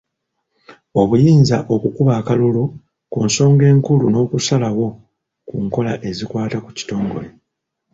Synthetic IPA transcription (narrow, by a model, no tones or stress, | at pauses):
o̞βujiːnzaʔo̞kukuβaːkalulo | kuːnso̞ːŋɡe̞ːŋkuluno̞ːkusalawo̞ | kuŋko̞laʔe̞zikwaːtaku̥ci̥to̞ːŋɡo̞̰le̞